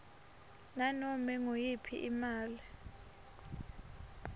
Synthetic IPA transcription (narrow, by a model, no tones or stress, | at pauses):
nanɔmɛŋojipʰḭʔimaːli